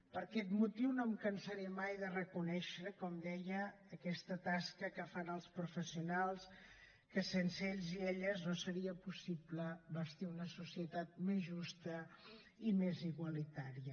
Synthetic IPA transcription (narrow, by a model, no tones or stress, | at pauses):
pəɾkɛt̪mut̪iwnomkənsəɾimajðərəkunɛʃɾəkɔmd̪ɛjəː | kɛst̪ət̪askəkəfanəlˠspɾufəsiunalˠs | kəsensəeʎzieʎəznosəɾiəpusipləβəst̪iunəsusiət̪at̪̚mezʒust̪ə | imeziɣwəlit̪aɾiə